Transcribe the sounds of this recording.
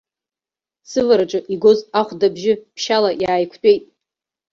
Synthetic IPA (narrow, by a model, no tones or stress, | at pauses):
sɨvaɾaʈ͡ʂʼɨʔiɡozaχʷdabʒɪpʰʃalajaːjkʷʰtʼe̞jtʼ